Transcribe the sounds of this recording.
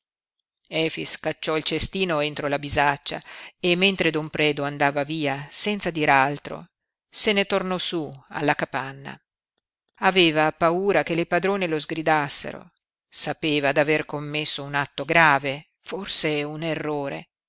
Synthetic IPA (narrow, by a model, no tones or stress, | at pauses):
ɛːfiskat͡ʃːɔilt͡ʃest̪iːnoent̪ɾolabizat͡ʃːa̰emːent̪ɾed̪ompɾɛːd̪oand̪aːvaviːasɛnt̪sad̪iːɾealt̪ɾo̰ | senet̪ornɔsua̰lːakapanːa̰ | aveːvapauːɾakelepad̪ɾoːnelozɡɾid̪asːḛɾo̰ | sapeːvad̪averkomːesːounat̪ːoɡɾaːve | forseunerːoːɾḛ